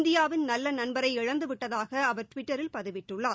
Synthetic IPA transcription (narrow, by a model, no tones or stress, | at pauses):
nd̪ɪjaːʋɪnnɐlːɐnɐnbɐɾɐɪɪɻɐnd̪ɯʋɪʈːɐðaːɣɐːʋɐɾʈʋɪʈːɐɾɪlpɐðɯʋɪʈːɯɭːaːɾ